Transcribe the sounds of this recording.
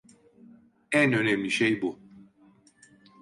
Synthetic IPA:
ænønɛmlʲiʃejbu

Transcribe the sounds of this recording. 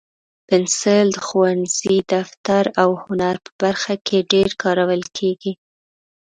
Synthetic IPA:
pɪnsɪld̪əxuwanz̥id̪aft̪aɾawhʊnaɾpə̥baɾxakʰeɖeɾkɑɾawəlkʰeɡi

